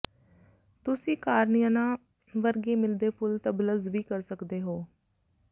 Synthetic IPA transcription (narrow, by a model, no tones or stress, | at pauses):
t̪ʊsĩːkaːɾnijãːnãː | ʋəɾɡeːmɪld̪eːpʰʊlt̪əbləzʋiːkəɾsəkd̪eːɦoː